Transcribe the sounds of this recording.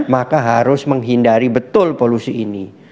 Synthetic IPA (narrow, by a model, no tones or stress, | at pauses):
makaɦaɾʊsməŋɦindaɾibət̪ʊlpolusiːni